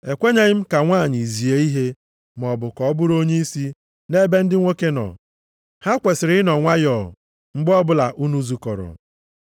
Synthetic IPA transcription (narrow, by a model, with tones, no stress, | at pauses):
e˨kʷe˦ɲe˦ɲɪ˦m̩˦ka˨ŋʷaː˦˨ɲɪ˨zi˨e˨i˦ɦe˦ | m˨ɔ˨bʊ˨kɔ˨˦bʊ˦ɾo˦ɲe˦i˦si˦ | ne˦be˦n̩˦dɪ˦ŋʷo˦ke˦nɔ̰˨ | ha˦kʷe˨sɪ˨ɾɪ˦nɔ˨ŋʷa˦jɔ̰˨ | ŋ͡m̩˦ɡ͡bɔ˦bʊ˦la˨ʔu˦nu˦zu˨kɔ˨ɾɔ̰˨